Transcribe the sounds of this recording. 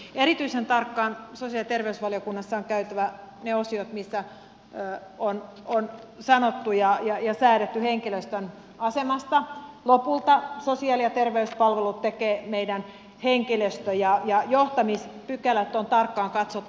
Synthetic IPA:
erit̪yisent̪ɑrkːɑːnsosiɑlt̪erʋeysʋɑliokunːɑsːɑoŋkæyt̪æʋæ | neosiot̪misːæ | on | on | sɑnot̪ːujɑjɑjɑsæːɾet̪ːyheŋkiløst̪øn | ɑsemɑst̪ɑlopult̪ɑsosiɑliɑt̪erʋeyspɑlʋelut̪t̪ekeːmeidæn | heŋkiløst̪øjɑjɑjoht̪ɑmispykælæt̪ːont̪ɑrkːɑːŋkɑt̪sot̪ː

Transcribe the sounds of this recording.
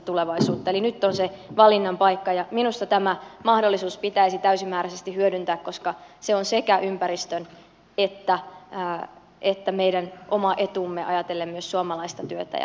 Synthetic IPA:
t̪uleʋɑisuːt̪ːɑelinyt̪ːonseʋɑlinːɑmpɑikːɑjɑminust̪ɑt̪æmæmɑhdolːisuːspit̪æisit̪æysimːæːɾæsest̪ihyødynt̪æːkko̞skɑseonsekæʔympæɾist̪øn | et̪ːæː | et̪ːæmeidænʔomɑʔe̞t̪umːeʔɑ̰jɑt̪elːemːmyøssuɑmɑlɑist̪ɑt̪yøt̪æ̰j̰

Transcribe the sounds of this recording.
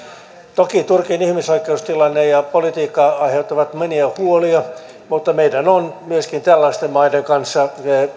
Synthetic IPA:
t̪okit̪urkinihmisoikːˑeust̪ilɑnːejɑpolit̪iːkːɑɑiheut̪ːɑʋɑt̪moniæhuoliɑ | mut̪ːɑmeidænonmyøskint̪ælːæst̪emmɑideŋkɑnsːɑe

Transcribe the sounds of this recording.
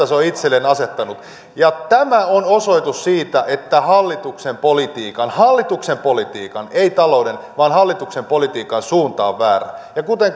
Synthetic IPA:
ɑseoit̪selːenɑset̪ːɑnut̪ | jɑt̪æmæonosoit̪ussiːt̪æʔet̪ːæhɑlːit̪uksempolit̪iːkɑnhɑlːit̪uksempolit̪ḭːkɑneit̪ɑloudenʋɑːnhɑlːit̪uksempolit̪iːkɑnsuːnt̪ɑːʋʋæːræ̰jɑkut̪eŋ

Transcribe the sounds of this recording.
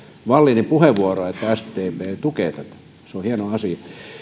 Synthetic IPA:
ʋɑlːinempuheʋʋuoroet̪pæːst̪ːeiet̪ukeˑt̪æt̪æ̥ | seohienoɑsiɑ

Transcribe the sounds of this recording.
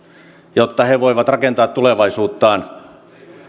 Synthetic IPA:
jot̪ːɑheʋoiʋɑt̪rɑkent̪ɑːt̪t̪ːuleʋɑisuːt̪ːɑːn

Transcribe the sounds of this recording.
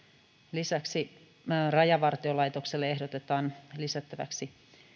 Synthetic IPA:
lisæksi | rɑjɑʋɑrt̪iolɑjt̪o̞kselːee̞ɦdot̪e̞t̪ɑːnlisæt̪ːæʋæ̰ksi

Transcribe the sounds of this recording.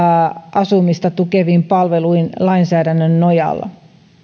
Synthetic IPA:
ʔɑsumist̪ɑt̪ukeʋiːmpɑlʋeluinlɑinsæːdænːønnojɑ̰lːɑ̰

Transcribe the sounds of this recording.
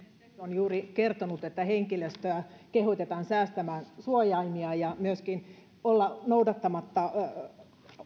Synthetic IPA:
yt̪onjuːrikert̪onut̪et̪ːæheŋkiløst̪øækehot̪et̪ɑːnsæːst̪æmæːnsuojɑimiɑjɑmyøskin | olːɑnoudɑt̪ːɑmɑt̪ːɑ

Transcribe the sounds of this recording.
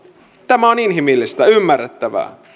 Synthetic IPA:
t̪æmæoninɦimilːist̪æymːærːet̪ːæʋæ̰ː

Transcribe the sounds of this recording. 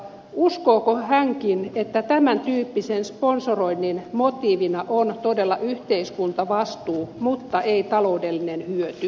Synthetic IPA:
uskoːkohæŋkinet̪ːæt̪æmænt̪yːpːisensponsoroinːinmot̪iːʋinɑʔont̪odelːɑʔyht̪eiskunt̪ɑʋɑst̪uːmut̪ːɑʔeit̪ɑlo̞udelːinenhyøt̪y

